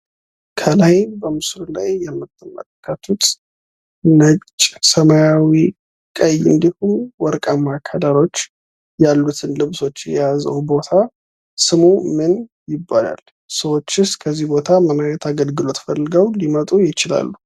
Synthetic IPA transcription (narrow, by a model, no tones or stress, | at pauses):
kʰəlajbəmɨsɾulajːɛmːɨt̪ʼʰːɨmə̰t̪ʼkʰːət̪ʰut̪ʼ | nət͡ʃʼːsəmajawi | kʼəjɨ̰nd̪ihumwɔɾkʼamakʰad̪aɾo̞t͡ʃː | jalːut̪ʰɨnlɨβso̞t͡ʃːjɛ̰jazə̰wbo̞t̪ʰa | sɨmumɨn | jɪbːala̰l | səwo̞t͡ʃːɪskʰəzːihbo̞t̪ʰamənajɛt̪ʰaɡəlɡɨlo̞t̪fəlːɨɡəwlimət̪ʼujɪt͡ʃɪla̰lːu